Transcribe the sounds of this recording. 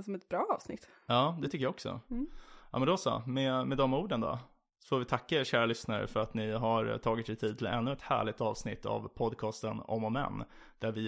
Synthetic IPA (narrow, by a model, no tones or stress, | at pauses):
sɔmɛt̪̚bɾɑːɑːvsnɪ̰t̪ː | jɑːd̪ɛt̪ʰʏkːəjaɔksɔ̰ | ɑ̰ːmɛnd̪ɔsɑ̰mɛmɛd̪ɔmuːɖənd̪ɔ̰ | foːɾvɪt̪ʰakːaeɕæːɾalʏsnaɾə̰fœɾat̪nɪɦaɾt̪ʰɑːɡɪt̪sɛt̪ʰiːd̪̚t̪ʰɪlɛnːɵɛt̪hæ̰ːɭɪt̪ɑ̰ːvsnɪt̪ʰːa̰vpʰɔd̪kʰɑːst̪ənɔ̰mɔmɛ̰nː | d̪̥æɾvɪ